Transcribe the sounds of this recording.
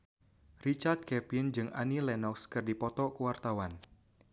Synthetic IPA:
rit͡ʃart̪̚kɛpind͡ʒɨŋʔa̰nilɛnɔkskɨrdipɔt̪ɔkuwart̪awan

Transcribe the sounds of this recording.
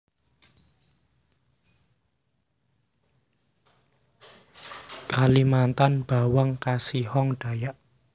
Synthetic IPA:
kalimant̪anb̥a̤waŋkasihɔŋɖ̥a̤jaʔ

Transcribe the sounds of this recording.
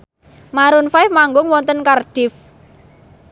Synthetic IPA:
maɾʊnfaɪfmaŋɡʊŋwɔnt̪ənkarɖ̥ɪf

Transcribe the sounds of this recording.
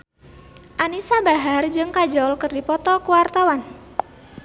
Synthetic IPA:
ʔanisabaɦard͡ʒɨŋkad͡ʒɔlkɨrdipɔt̪ɔkuwart̪awan

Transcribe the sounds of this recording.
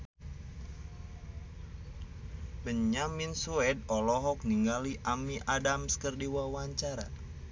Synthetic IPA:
bəɲaminsuɛd̚ɔlɔɦɔk̚niŋɡaliʔamiʔadamskərdiwawaɲt͡ʃaɾa̰

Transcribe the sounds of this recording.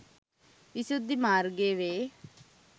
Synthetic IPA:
ɪsud̪imaːɾɡeːʋeː

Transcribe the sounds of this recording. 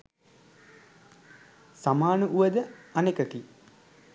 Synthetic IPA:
samaːnuʔuʋəd̪əanekəki

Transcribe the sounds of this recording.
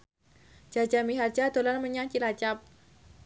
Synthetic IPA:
d͡ʒad͡ʒamiɦard͡ʒad̪olanməɲaŋt͡ʃilat͡ʃap̚

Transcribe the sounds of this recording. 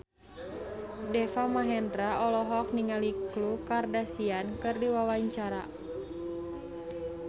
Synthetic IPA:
dɛfamaɦɛndɾaʔɔlɔɦɔk̚niŋaliklukardasiankɨrdiwawaɲt͡ʃaɾa̰

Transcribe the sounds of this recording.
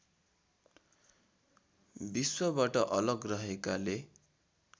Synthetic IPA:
biswʌbaʈʌʔʌlʌɡrʌɦekale

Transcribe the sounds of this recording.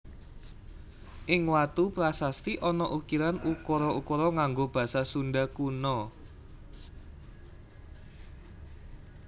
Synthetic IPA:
ʔɪŋwat̪uplasast̪iʔɔnɔʔukiɾanukɔɾɔukɔɾɔŋaŋɡob̥ä̤sasunɖakunɔ

